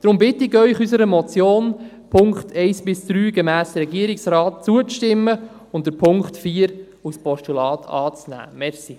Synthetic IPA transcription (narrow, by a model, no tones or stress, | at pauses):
d̥ɾʊmbɪtɪɡœʏχysəɾəmɔt͡sjoːn | pʰʊŋkχtʰɛɪsbɪsd̪̥ɾyːɡɛmæːsərɾɛɡiːəɾɪksɾɑːt̚t͡suət͡sʃtɪmːə | ʊnt̚d̥əpʰʊŋktfiːəɾ | uspɔʃtulɑːtʰɑ̰ːt͡snæ̰ːmɛɾsi